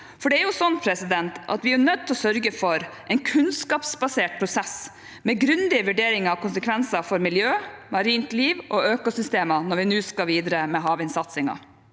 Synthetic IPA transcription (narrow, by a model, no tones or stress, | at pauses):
fɔɖɛæɾjʊsɔnpʰɾɛsɪd̪ɛnt̪ʔɑ̰t̪ʋɪæɾnœt̪̚ʰːlɔsœɾɡəfɔɾʔɛɪnkʰʉnskɑːpsbɑseːʈ̚pʰɾʊsɛs | mɛɡɾʉnd̪ɪəʋʉɖeːɾɪŋɑɔkʊnsəkʰʋɛnsɑfɔɾmɪljøːmɑɾiːnt̪liːʋʔoːøːkʊsʏst̪eːmənɔɾʋɪnʉːskɑʋiːd̪ɾəmɛɦɑːʋɪnsɑt̪sɪŋɑ̰